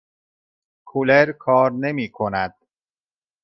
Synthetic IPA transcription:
kʰuleɾkʰɒːɾnemiːkʰonæd̪̥̚

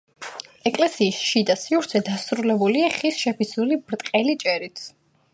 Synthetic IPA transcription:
ɛkʼlɛsiːsʃid̪asiuɾt̪sʰɛd̪asɾulɛbuliaχisʃɛpʰisulibɾt̪ʼqʼɛlit͡ʃʼɛɾit̪ʰ

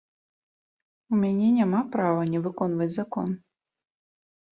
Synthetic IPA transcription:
umʲɛnʲenʲɛmapɾavɐnʲɛvɨkonvɐt͡sʲzɐko̰n

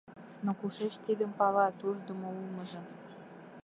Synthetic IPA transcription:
nokuʂĕt͡ɕt̪ʲid̪ə̆mpɑlɑt̪uʐd̪ɤ̆mɤ̆ulˠmɤ̆ʐɤ̆

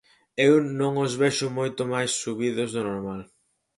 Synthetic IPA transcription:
ewnõŋozβeʃʊmojt̪ʊmajsːuβiðʊzðʊnoɾmal

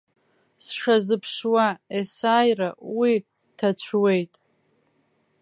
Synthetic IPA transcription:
sʂazɨpʰʂwaesaːjrawi | tʰat͡ɕʷʰwe̞jtʼ

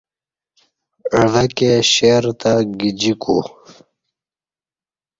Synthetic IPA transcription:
əvɐkeɕeɾt̪aɡid͡ʑiku

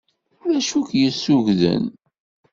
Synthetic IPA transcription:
ʊlæʃukjəsːuʝðə̰n

